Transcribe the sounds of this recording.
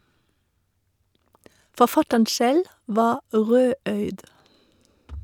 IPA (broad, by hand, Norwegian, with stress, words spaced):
fɔˈfɑtən ˈsɛl ˈʋɑː ˈʁøːˌœʏd